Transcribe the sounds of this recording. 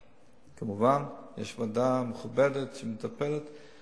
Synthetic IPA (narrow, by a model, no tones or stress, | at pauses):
kamuvanjɛ̰ʃvadameχubɛdɛtʃɛmetapɛlɛt̪